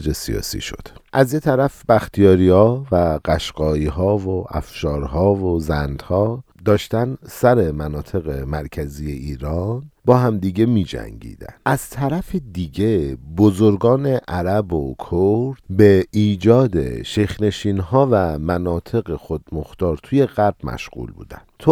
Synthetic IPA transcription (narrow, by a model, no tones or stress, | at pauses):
ɾesḭɒ̰ːsḭːʃo̞̰d̪̥ʔæzjet̪ʰæɾæfb̥æxt̪ʰijɒːɾiːhɒːvæɢæʃɢɒːiːɦɒːvoʔæ̰fʃɒːɾɦɒːvozænd̪hɒː | d̪ɒːʃt̪ænsæɾe̞mænɒːt̪ʰe̞ɣemæɾcʰæziːje̞iːɾɒːnbɒːɦæmd̪iɟe̞miːd͡ʒæ̰ŋɟḭːd̪æ̰næz̥t̪ʰæɾæfed̪iɟe̞bozoɾɡɒːne̞ʔæɾæbokʰoɾd̪beiːd͡ʒɒːd̪ḛʃexne̞ʃiːnɦɒːvæmænɒːt̪ʰe̞ɣexod̪moxt̪ɒːɾt̪ʰuje̞ɣæɾb̥mæ̰ʃɢṵːlbṵːd̪æ̰n̥t̪ʰo